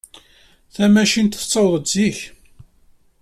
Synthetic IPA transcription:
θæmæʃint̪θə̥t͡sˤːɑwðˤət̪ziç

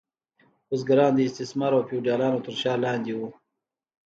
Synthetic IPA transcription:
osɡaɾɑːnd̪əɪst̪ɪsmɑɾawpuɖjɑːlɑːnot̪əɾʃɑːlɑːnd̪iwu

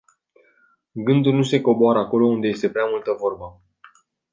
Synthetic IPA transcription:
ɡɨnd̪ulnuse̞ko̞boaɾəako̞lo̞und̪eje̞st̪e̞pɾeamult̪əvo̞rbə

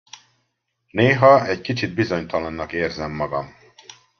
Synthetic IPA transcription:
neːɦɒɛckit͡ʃid̪̚bizo̞ɲt̪ɒlɒnːɒkeːrzɛmːɒɡɒm

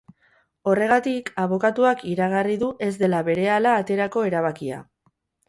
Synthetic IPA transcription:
o̞re̞ɣ̞at̪ikaβ̞o̞kat̪uakiɾaɣ̞ariðuʔe̞zd̪e̞laβe̞ɾe̞alaːt̪e̞ɾako̞e̞ɾaβ̞akia̰

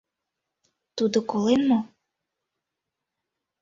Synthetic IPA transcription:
t̪ud̪okolenmo

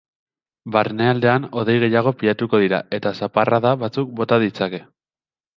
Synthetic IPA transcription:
baɾne̞ald̪e̞ano̞ðe̞jɣe̞jaɣ̞o̞piʎat̪uko̞ð̞iɾae̞t̪asaparaðaβat͡suk̚bo̞t̪aðit͡sake̞

